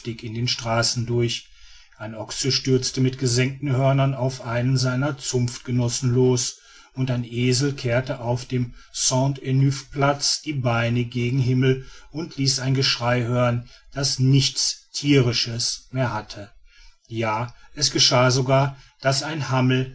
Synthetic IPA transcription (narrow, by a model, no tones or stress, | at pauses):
tɪkɪndeːnʃtʁ̥aːsn̩dʊɐç | ʔaɪnʔɔksəʃtʏɐt͡stəmɪtɡ̥əzɛŋk̚tn̩hœɐnɐnaʊfʔaɪnənzaɪnɐt͡sʊmft̚ɡ̥ənɔsn̩loːs | ʊntaɪnʔeːzl̩kʰeːɐtəʔaʊfd̥eːmsɔ̃ntɛnyfplat͡sd̥iːbaɪnəɡeːɡŋ̩ɦɪml̩ʊntʰliːsaɪnɡəʃʁ̥aɪhøːʁənd̥asnɪçt͡stʰiːʁɪʃəsmeːɐhatʰə | jaːʔɛsɡ̥əʃaːzoɡaːɐ | d̥asaɪnhaml̩